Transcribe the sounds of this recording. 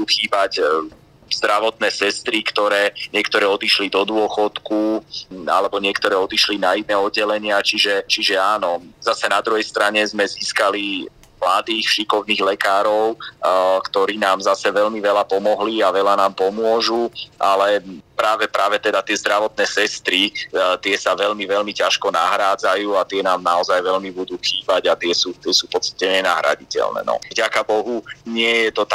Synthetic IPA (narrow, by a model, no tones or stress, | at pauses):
d̪uːxiːbac | zd̪ɾaʋɔt̪nɛːsɛst̪ɾikt̪ɔɾɛːɲɪɛkt̪ɔɾɛːɔd̪iʃlid̪ɔd̪ʊɔxɔt̪kua̰lɛbɔɲɪɛkt̪ɔɾɛːɔd̪iʃlinainɛːɔd̪̚ɟɛlɛɲɪat͡ʃiʒɛt͡ʃiʒɛaːnɔzasɛnad̪ɾuɦɛjst̪ɾaɲɛzmɛziːskali | mlad̪iːxfʃikɔʊniːɣlɛkaːɾɔʊkt̪ɔɾiːnaːmzasɛʋɛʎmiʋɛlapɔmɔɦliaʋɛlanaːmpɔmʊɔʒuʔalɛpɾaːʋɛpɾaːʋɛt̪ɛd̪at̪ɪɛzd̪ɾaʋɔt̪̚nɛːsɛst̪ɾit̪ɪɛsaʋɛʎmiʋɛlmicaʃkɔna̰ɦɾaːd͡zajuːat̪ɪɛnaːmnaɔzajʋɛʎmibud̪uːxiːbaɟat̪ɪɛsuːt̪ɪɛsuːfpɔt͡st̪ḁcɛɲɛna̰ɦɾa̰ɟicɛ̰lnɛ̰ːnɔ̰vɟakabɔɦuɲɪɛjɛt̪ɔt̪